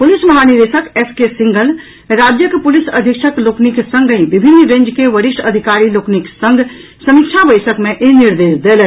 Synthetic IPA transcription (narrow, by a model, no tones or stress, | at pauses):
pʊlɪsmɐɦanɪɾeːʃəkeskesɪ̃ŋɡəl | ɾaːd͡ʒjəkpʊlɪsɐd̪ʱikʃəkloːkniksə̃ŋɡəĩʋɪbʱɪnːɾẽːɲd͡ʒkeʋɐɾɪʃʈɐd̪ʱɪkaːɾiloːkniksɐ̃ŋɡʱsɐmɪkʃʰaʋəɪsəkmẽʔenɪɾd̪eːʃd̪eːl